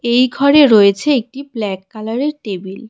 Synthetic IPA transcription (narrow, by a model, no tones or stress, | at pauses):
ejɡʱɔɾeɾojet͡ɕʰeek̚ʈiblɛkːalaɾeɾʈebil